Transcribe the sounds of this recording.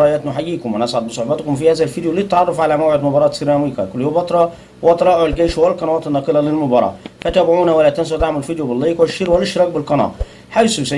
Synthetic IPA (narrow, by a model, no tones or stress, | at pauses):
ɑːjæt̪nʊħajːiːkʊmʔænʔasʕad̪bɪsˤoħbɑt̪kʊmfihæːzælfiːd̪juliːt̪ʕɑrˤːɑfʕalamawʕɪd̪mʊbɑːɾˤɑːt̪siɾɑmiːkɑkʊlːjoːbɑt̪ˤɾˤɑ | wʔɑt̪ɑɾˤɑːʔalɡeːʃwælqɑnɑwɑːt̪nːɑːqɨlɑlɪlmʊbɑːɾˤɑ̰ːfæt̪æbʕuːnawalːæt̪ːæns̬at̪aʕmalfid̪jubɪlˤːɑːkwʃːiːɾwælːɪʃɾˤɑːk̚bɪlqɑnɑ̰ː | ħajsusæ